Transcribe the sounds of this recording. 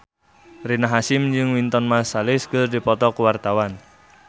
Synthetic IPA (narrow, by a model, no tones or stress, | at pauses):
rinaɦasɪmd͡ʒɨŋwint̪ɔnmasalɪskərdipɔt̪ɔkəwart̪awan